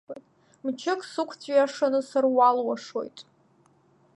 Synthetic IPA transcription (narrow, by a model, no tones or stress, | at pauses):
tʼ | mt͡ʃʰɪkʼsɨkʷʰt͡sʷʼɥjaʂanɨsarwalwaʂo̞jtʼ